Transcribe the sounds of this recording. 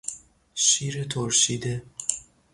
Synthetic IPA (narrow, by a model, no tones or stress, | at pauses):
ʃiːɾet̪ʰoɾʃiːd̪e